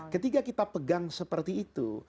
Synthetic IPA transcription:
kət̪ikakit̪apəɡaŋsəpərt̪iːt̪ṵ

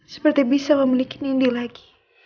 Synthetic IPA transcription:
sə̥pərt̪ibisaməmilikinindilaɡi̥

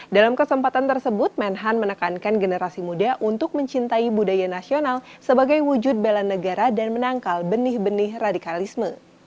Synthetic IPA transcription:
dalamkəsəmpat̪ant̪ərsəbʊt̪̚mɛnɦanmənəkankanɡənəɾasimudaʔunt̪ʊk̚məɲt͡ʃint̪aibudajanasional | səbaɡajwud͡ʒʊd̚belanəɡaɾadanmənaŋkalbənɪhbənɪhradikalismə

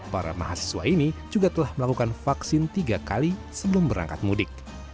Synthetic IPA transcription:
paɾa̰ma̰ɦasə̥sua̰inid͡ʒuɡat̪əlahməlakukanfaksɪnt̪iɡakalisəbəlʊmbəɾa̰ŋkat̪̚mudɪk̚

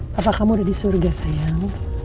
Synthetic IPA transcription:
apakamodadisoɾɡasaja

